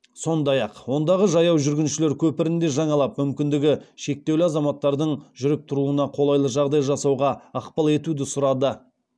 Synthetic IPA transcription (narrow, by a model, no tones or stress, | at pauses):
so̞nd̪ɑjɑqwo̞nd̪ɑʁəʒɑjɑwʒʏɾɡʲɪnʃɪle̞ɾkʲʰɵpɪɾɪnd̪e̞ʒɑɴɑlˠɑpmʏmkʲɪnd̪ɪɡʲɪʃe̞k̚t̪e̞wlɪɑzɑmɑt̪ːɑɾd̪əɴʒʏɾɪp̚t̪ʰʊɾuənɑqʰo̞lˠɑjlˠəʒɑʁd̪ɑjʒɑsɑwʁɑɑqpɑlˠe̞t̪ud̪ɪsʊɾɑd̪ə